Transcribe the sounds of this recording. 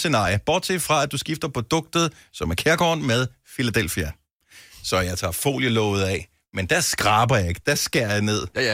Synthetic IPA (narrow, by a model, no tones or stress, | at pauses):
se̝nɑ̰̈ːjəb̥ɒ̰ːd̥̚t͡sʰe̝fʁɑ̈æd̥usɡ̥ifd̥ɐpʰʁo̝d̥ɔ̽ɡ̥̚d̥ð̩ˠ | sɒ̽mæɐkʰeɐɡ̥ɒ̰ːnmeð̞ˠ | filæd̥el̰fiæ | sɒ̽jɑ̈ɪt͡sʰɑ̈ːfo̝̰ːljəlɔ̰̽ːʊð̞̩ˠɛ | mend̥æɐsɡ̥ʁɑ̈ːb̥ɐjɑ̈e̝ɡ̥̚d̥æsɡ̥eɐ̰jɑɪne̝ð̞̰ˠ